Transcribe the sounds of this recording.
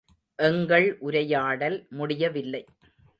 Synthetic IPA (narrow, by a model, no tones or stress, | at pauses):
ʔɛŋɡɐɭʔʊɾɐjaːɽɐlmʊɽɪjɐʋɪlːɐɪ